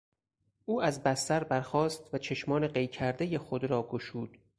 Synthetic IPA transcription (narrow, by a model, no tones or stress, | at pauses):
ʔuːæzbæst̪æɾbæɾxɒːst̪væt͡ʃʰe̞ʃmɒːneɢe̞jcʰæɾd̪e̞jexod̪ɾɒːɡoʃuːd̪̥